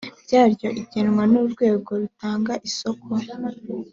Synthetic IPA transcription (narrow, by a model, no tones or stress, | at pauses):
bjaːɾjo̞ʔiɟenŋwanuɾɡwe̞ːɡo̞ɾutaːŋɡaʔiso̞kʰo